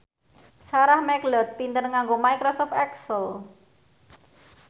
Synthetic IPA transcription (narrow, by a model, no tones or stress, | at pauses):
saɾahmɛklɔt̪̚pint̪ənŋaŋɡomajkɾɔsɔft̪ɛksəl